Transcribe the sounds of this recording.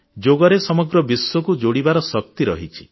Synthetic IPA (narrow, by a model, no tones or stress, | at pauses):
d͡ʒoɡɔɾesɔmɔɡɾɔbisːɔkud͡ʒoɽibaɾɔsɔk̚t̪iɾɔ̰ɦit͡ʃʰi̥